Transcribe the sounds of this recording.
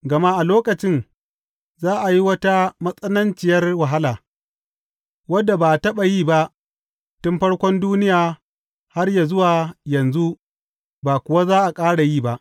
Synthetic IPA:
ɡɐ˨ma˦ʔa˨loː˦kɐ˨t͡ʃɪ˦n | zaː˦ʔa˨ji˦wɐ˦ta˦mɐ˦sʼɐ˦nɐ˦nt͡ʃɪ˨jɐ˦rwɐ˨ɦa˦laː˨ | wɐ˦dːa˨baː˨tɐ˦ɓa˨jiː˦˨ba˦ʔ | tʊ˦mɸɐ˦ɽkʷɔ˦nduː˦nɪ˦jaː˨ | ha˦rjaː˨zʊ˦waː˨jɐ˨nzu˦ | baː˨kʷʊ˨wa˦zaː˦ʔa˨kʼaː˦ɽa˨jiː˦ba˦ʔ

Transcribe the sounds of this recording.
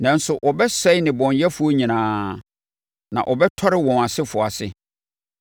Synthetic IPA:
nã˨n̩˦sʊ˨ʔɔ˨bɛ˦sɛ˦ɪ˦nɪ̃˨bɔ̃˨ɲjɛ˦fu˦o˦ɲĩ˨nãː˦ | nã̰˨ʔɔ˨bɛ˦tʰɔ˦ɾɪ˦wɔ̃˨na˨sɪ˦fʊ˨a˨sɪ̰˨

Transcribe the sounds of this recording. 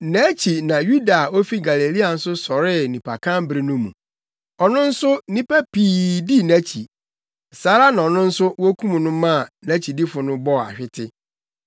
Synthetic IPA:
næ̃˨˦t͡ɕʰi˨nã˨ju˦da˨o˦fi˦ɡa˨le˨li˦a˨n̩˦sʊ˦sɔ˨ɾɪ˦nĩ˨pʰa̰˨kʰã˦m˦bɾɪ˦nʊ̃˦mṵ̃˨ | ɔ˨nʊ̃˦n̩˦sʊ˦nĩ˦pæ˦piː˨di˦næ̃˦t͡ɕʰḭ˨ | saː˨˦ɾa˦nã˨ɔ˨nʊ̃˦n̩˦sʊ˦wo˦kʰũ˦mũ˨nʊ̃˦mã˦˨næ̃˦t͡ɕʰi˨di˦fʊ˨nʊ̃˦bɔ˦˨a̰˨ɕᶣɪ˦tʰɪ˦

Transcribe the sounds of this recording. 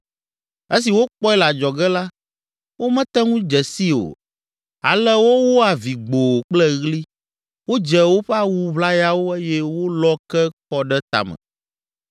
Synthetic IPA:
e˦s̬i˨wo˦k͡pɔ˦ɛ˦la˨d͡ʒɔ˨ɡɛ˦la˦ | wo˦mɛ̃˦t̪ɛ˦ŋũ˦d͡ʒɛ˨si˦o̰˨ | a̰˨lɛ˦wo˦wo˦a˨vi˨ɡ͡bo˨k͡plɛ˦ɣli˦ | wo˦d͡ʒɛ˨wo˦ɸɛ˦a˦wu˦βla˦ja˦wo˦e˦jɛ˦wo˦lɔ˦kɛ˦kɔ˦ɖɛ˦t̪a̰˨mɛ̰̃˨

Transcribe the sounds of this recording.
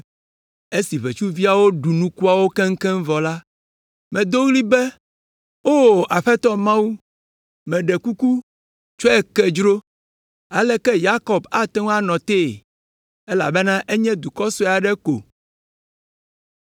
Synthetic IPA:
e˦si˨βe˨t͡ʃu˦vi˦a˨wo˦ɖu˨nũ˦ku˦a˨wo˦kɛ˦ŋ̩˦kɛ˦ŋ̩˦vɔ˨la˦ | mɛ̃˨d̪o˦ɣli˦bɛ˦ | o˦a˨ɸɛ˦t̪ɔ˦mã˦wu˦ | mɛ̃˨ɖɛ˨ku˦ku˦ | t͡ʃo˦ɛ˨kɛ˨d͡ʒɾo˦ | a˨lɛ˦kɛ˦ja˦kɔ˨ba˦t̪ɛ˦ŋ˦a˦nɔ̃˨t̪e˦˨ | e˦la̰˨bɛ˦nã˦ʔe˦ɲɛ̃˦d̪u˨kɔ˦sɔ˦˨a˨ɖɛ˦ko̰˨

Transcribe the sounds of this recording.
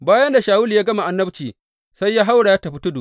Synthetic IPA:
baː˦jɐ˦nda˨ʃaː˨wʊ˦li˨jaː˦ɡɐ˦ma˨ʔa˨nːɐ˦bt͡ʃiː˨ | sa˦jːaː˦ɦa˦wɽa˨ja˦tɐ˨ɸi˦tʊ˦dṵ˨ʔ

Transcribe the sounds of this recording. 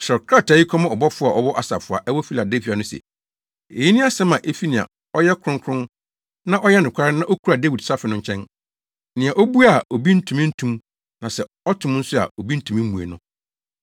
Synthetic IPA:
sɔ˨kʰɾa˦˨ta˨ji˦kʰɔ̃˦mã˦ɔ˨bɔ˦fʊ˦a˨ʔɔ˦bɔ˦ʔa˨sa̰˨fʊ˨a̰˨ʔɛ˦wɔ˦fi˦la˨de˦fi˨˦a˨nʊ̃˦sɛ̰˨ | ḛ˨ji˦nɪ̃˦a˦sɛ˦mã˨ʔe˦fi˦nɪ̃˨a̰˨ | ɔ˦jɛ˦kʰɾʊ̃˦ŋ˦kʰɾʊ̃˦n | nã˦ʔɔ˦jɛ˦nʊ̃˨kʷʰa˦ɾɪ˦nã˦ʔo˦kʰu˦ɾa˨de˦wi˨dsa˦fɪ˨nʊ̃˦ɲ˦t͡ɕʰɛ̃˦n | nɪ̃˨ã˨ʔo˦bu˦a˨o˨bi˦n̩˦tʰũ˨mɪ̃˦n̩˦tʰũ˦m | nã˨sɛ˨ | ɔ˦tʰʊ̃˨m˦n̩˦sʊ˦a̰˨o˨bi˦n̩˦tʰũ˨mĩ˦ũ˨ḛ˨nʊ̃˦

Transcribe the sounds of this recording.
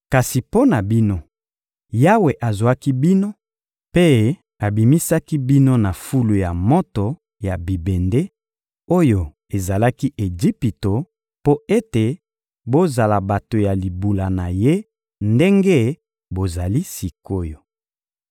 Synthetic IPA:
ka˨si˨po˦na˨bi˦no˦ | ja˦we˨ʔa˨zwa˦ki˦bi˦no˦ | pe˦ | a˨bi˨mi˦sa˦ki˦bi˦no˦na˨fu˦lu˨ja˨mo˦tɔ˨ | ja˨bi˨be˨nde˦ | o˦jo˨ | e˨za˨la˦ki˦ʔe˨d͡ʒi˦pi˨to˨ | po˦e˦te˨ | bo˦za˨la˨ba˨to˨ja˨li˨bu˨la˨na˨je˦ | nde˦ŋɡe˦ | bo˨za˨li˦si˨ko˦jo˨

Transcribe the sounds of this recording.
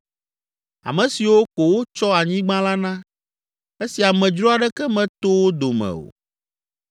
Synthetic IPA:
a̰˨mɛ̃˨si˨wo˦ko˨wo˦t͡ʃɔ˦a˨ɲĩ˦ɡ͡bã˦la˦nã˦ | e˦si˨a˨mɛ̃˨d͡ʒɾɔ˦a˨ɖɛ˦kɛ˦mɛ̃˨t̪o˦wo˦d̪o˨mɛ̰̃˨o̰˨

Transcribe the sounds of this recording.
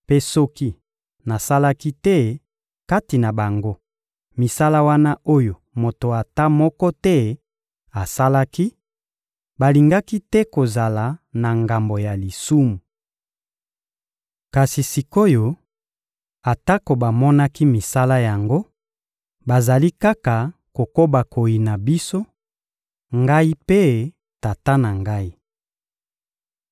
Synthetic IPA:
pe˦sɔ˦ki˦ | na˨sa˦la˦ki˦tɛ˦ | ka˦ti˨na˨ba˨ŋɡo˦ | mi˨sa˦la˦wa˦na˦ʔo˦jo˨ | mo˨to˨a˨ta˦mɔ˦kɔ˦tɛ˦ | a˨sa˦la˦ki˦ | ba˨li˨ŋɡa˦ki˦tɛ˦ko˨za˨la˨na˨ŋɡa˨mbo˨ja˨li˨su˦mu˨ | ka˨si˨si˨ko˦jo˨ | a˨ta˦ko˨ba˨mɔ˦na˦ki˦mi˨sa˦la˦ja˨ŋɡo˦ | ba˨za˨li˦ka˦ka˨ko˨ko˦ba˨ko˨ji˨na˨bi˦so˦ | ŋɡa˦i˦pe˦ | ta˨ta˦na˨ŋɡa˦i˦

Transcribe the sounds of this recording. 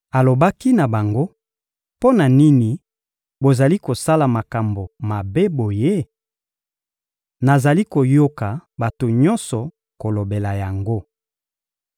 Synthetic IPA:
a˨lo˨ba˦ki˦na˨ba˨ŋɡo˦ | po˦na˨ni˦ni˨ | bo˨za˨li˦ko˨sa˦la˨ma˨ka˨mbo˨ma˨be˦bo˨je˦ | na˨za˨li˦ko˨jo˦ka˨ba˨to˨ɲɔ˦nsɔ˨ | ko˨lo˨be˨la˨ja˨ŋɡo˦

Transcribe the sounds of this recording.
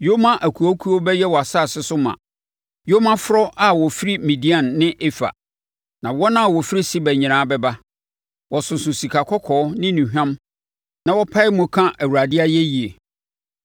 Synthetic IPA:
jo˦mã˦ʔæ˨kʰu˨ɔ˦kʰu˦ɔ˦bɛ˦jɛ˦wɔ˨a˨sa˦˨sɪ˦sʊ˦mã̰˨ | jo˦mã˦fʊ˦ɾɔ˦ʔa˦wɔ˨fi˦ɾi˦mĩ˨di˦ã˨nːɪ̃˦ʔe˦fa̰˨ | nã˨wɔ˦nã˦a˨wɔ˨fi˦ɾi˦si˦bɛ˨ɲɪ̃˨ɾ̃ãː˦bɛ˦ba˦ | wɔ˨sʊ˨sʊ̃˨si˨kʰa˨kʰɔ˦kʰɔː˨˦nɪ̃˦nũ˨ɦᶣã˦m | nã˨wɔ˦pʰa˦ɪ˦mʊ̃˨kʰã˦ʔæ˨wu˨ɾa˨dɪ˦a˦jɛ˦ji˨e˨

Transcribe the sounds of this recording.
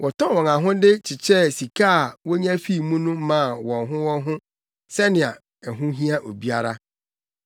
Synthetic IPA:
wʔɔ˨tʰɔ̃˦˨wɔ̃˨nã˨ɦʊ̃˦dɪ˦t͡ɕʰɪ˨t͡ɕʰɛ˦si˨kʰa˦˨wɔ˦ɲã˦fi˦˨mũ˦nʊ̃˦mã˦˨wɔ̃˨nɦʊ̃˦wɔ̃˦n˦ɦʊ̃˦ | sɛ˦nɪ̃˨a˨ | ɛ˨ɦʊ̃˦ɦĩ˦a˦ʔo˨bi˦a˦ɾa˦

